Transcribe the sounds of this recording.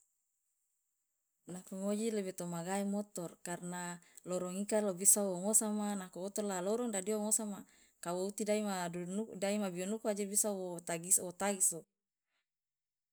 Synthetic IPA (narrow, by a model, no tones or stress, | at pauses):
nakuŋod͡ʒilebet̪omaɡaimɔt̪ɔrkarnalɔɾɔŋikalobisawoŋosamanakuot̪ɔrlalɔɾɔŋdadioŋosama | kawout̪idaimaudaimabionukuad͡ʒebisawot̪aɡisot̪aɡiso